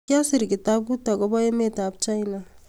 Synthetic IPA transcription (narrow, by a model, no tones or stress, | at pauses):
kjasiɾɡetabutaɡobaemetap̚t͡ʃajna